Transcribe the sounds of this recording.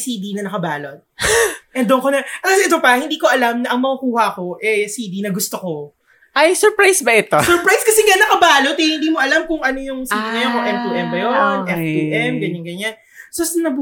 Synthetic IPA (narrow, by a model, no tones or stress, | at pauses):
siːd̪inɐnɐkɐbaːlot̪̚ʔɛnd̪oŋkonɐt̪asɛt̪opɐhɪnd̪iːko̞ʔɐlamnɐʔɐŋmɐkɐkuːhɐʔɐko̞ʔɛsiːd̪inɐɡʊst̪oko̞ | ʔɐjsɔɹpɹajsbɐʔɪt̪osɔɹpɾajskɐsɛŋɡanːɐkɐbaːlot̪̚ɛjhɪnd̪iːmoʔɐlamkʊŋʔɐnojʊŋsiːd̪inɐjonkoʔɛmt̪uʔɛmbɐjonʔɛft̪uːʔɛmɡɐɲɐŋɡɐɲan | sosnɐb